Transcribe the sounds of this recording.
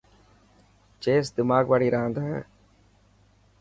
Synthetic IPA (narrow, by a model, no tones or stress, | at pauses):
t͡ʃeːsd̪ɪmaːɡʋaːɽiːɾaɦãːnd̪aːɦɛ̰ː